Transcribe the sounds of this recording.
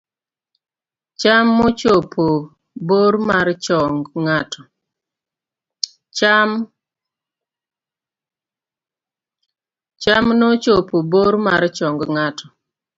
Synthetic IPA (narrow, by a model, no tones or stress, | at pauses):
t͡ʃamːɔt͡ʃopʰo | boɾmaɾt͡ʃɔŋɡŋatɔ | am | t͡ʃamnot͡ʃopoboɾma̰ɾt͡ʃɔŋɡŋatɔ